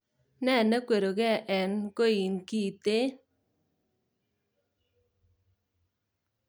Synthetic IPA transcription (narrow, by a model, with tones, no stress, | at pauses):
nɛ˦˨ne˦kwe˨ɾo˨kɛ˦˨ʔɛ˨nko˦i˨nki˦˨te˦